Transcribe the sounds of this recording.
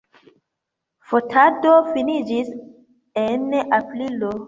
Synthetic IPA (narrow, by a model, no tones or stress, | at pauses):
fotʰadofinid͡ʒis | enaplilo